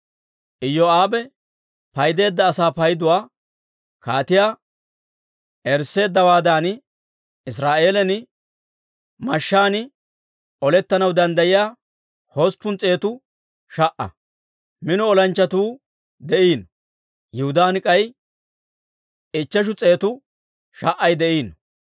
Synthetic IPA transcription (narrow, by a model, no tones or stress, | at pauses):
ʔɪjːɔaːbɛ | pɐjd̪e̞ːd̪ːɐːsaːpɐjd̪ʊwaː | kaːt̪ɪjaː | ɛɾsːe̞ːd̪ːɐwaːd̪aːn | ɪs̬ɾaːʔe̞ːlɛnɪ | mɐʃːaːnɪ | ʔɔlɛt̪ːɐnɐwd̪ɐnd̪ɐjɪjaː | hospːʊnt͡sʼe̞ːt̪ʊ | ʃɐʔɐ̰ | mɪnʊɔlɐnt͡ʃːɐt̪uː | d̪ɛʔiːn | jɪhʊd̪aːnɪkʼɐj | ɪt͡ʃːɛʃ̬ʊt͡sʼe̞ːt̪ʊ | ʃɐʔːɐjd̪ɛʔiːn